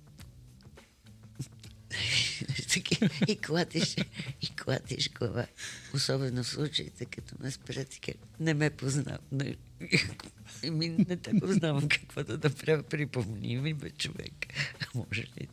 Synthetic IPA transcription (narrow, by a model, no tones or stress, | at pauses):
t̪kiiklˠat̪iʃikʰlˠa̰t̪ḭʃɡlɐva̰osɔbɛnofslˠut͡ʃəḭt̪ɛkɐt̪ɔmɛspɾat̪i̥kə̰nɛmɛpozna̰na̰ | k | minɛt̪ɛpoznavɐmkʰɐ̥kvɔd̪ɐd̪ɐpɾʲapɾipomnʲḭmibɛt͡ʃovɛ̰kɐmɔʒɛlḭ